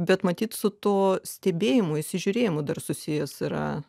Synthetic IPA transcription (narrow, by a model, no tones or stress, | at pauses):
bʲɛt̪mɐt̪ʲiːt̪sʊt̪oːsʲt̪ʲɛbʲeːjɪmʊɪsʲɪʒʲʊɾʲeːjɪmʊd̪ɐrsʊsʲɪjɛsɪɾɐ̰